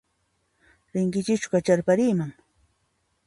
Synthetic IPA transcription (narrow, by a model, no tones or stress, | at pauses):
ɾɪŋkɪt͡ʃɪt͡ʃʊ̥kat͡ʃaɾpaɾiːmaŋ